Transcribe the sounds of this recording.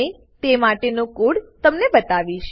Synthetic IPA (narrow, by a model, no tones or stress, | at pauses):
e | t̪emaʈenõkuɽt̪əmnebət̪aʋiʃ